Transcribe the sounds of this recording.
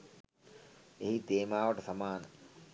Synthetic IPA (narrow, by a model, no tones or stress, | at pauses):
eɦit̪eːmaːʋəʈəsamaːnə